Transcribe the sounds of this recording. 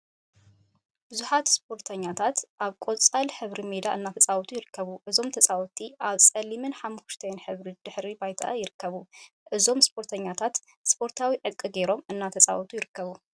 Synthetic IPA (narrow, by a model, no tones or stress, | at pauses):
b̥ɨzuħat̪spʰo̞ɾt̪ʰɐɲːat̪ʰat̪ʔaβkʼo̞t͡sʼalħɨβɾimed̪aʔɨnːat̪ʰɐt͡sʼawt̪ʰʼujɪɾɨkːɐβuʔɨzo̞mt̪ʰɐsʼawɔt̪ʰiʔaβsʼɐlimɨnħamːuʃt̪ʰɐnħɨβɾid̪̥ɨħɾibajt̪ʰa̰ʔjɪɾɨkʰːɐβu | ʔɨzo̞mspʰo̞ɾt̪ʰɐɲːat̪ʰat̪ | spʰo̞ɾt̪ʰawiʕɨd̪̚kʼɨɡe̞ɾo̞mɨnːat̪ʰɐt͡sʼa̰wt̪ʰujɪɾɨkʰːɐβu